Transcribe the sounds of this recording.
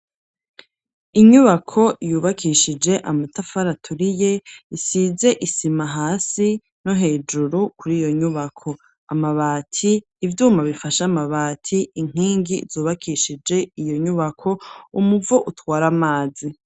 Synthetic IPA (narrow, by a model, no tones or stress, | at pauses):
iɲuβakʰo̞ʔjuːβakʰiʃid͡ʒe̞ʔamutafaɾatʰuɾije̞isize̞ʔisimaɦaːsi | no̞ɦe̞ːd͡ʒuɾukuɾiːjo̞ɲuβakʰo̞ | amaβaːtʰiː | vjuːmaβifaʃamaβaːtʰiiŋ̥iːŋɡizuːβakʰiːʃid͡ʒe̞ijo̞ɲuβakʰo̞umuvoʔutwaːɾamaːzi